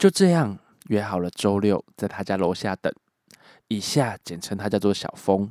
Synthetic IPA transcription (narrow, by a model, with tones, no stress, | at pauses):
t͡ɕjo˥˧ʊʈ͡ʂɤ˥˧jɑ˥˨ŋ | ɥɛ˧˥xɑ˨˩ʊlə˦ʈ͡ʂo˦ʊljo˥˨ʊt͡sa˥˩ɪt̪ʰa˥t͡ɕja˥lwɔ˧˥ɕja˥˨t̪ə̰˨˩˦ŋ | i˨˩ɕja˥˨t͡ɕjɛ˨˩nʈ͡ʂʰə˧˦ŋt̪ʰa˥t͡ɕjʊt͡swɔ˥˩ɕjɑ̰˨˩ʊfo˦ŋ